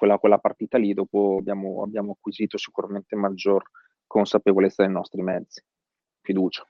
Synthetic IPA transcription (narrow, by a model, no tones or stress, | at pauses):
kwelːakwelːapart̪iːt̪alid̪ɔːpoabjaːmoa̰bːjaːmoakːwiziːt̪osi̥kuɾament̪emad͡ʒːor | konsapevolet̪ːad̪ejnɔst̪ɾimɛd̪zːi | fid̪uːt͡ʃḁ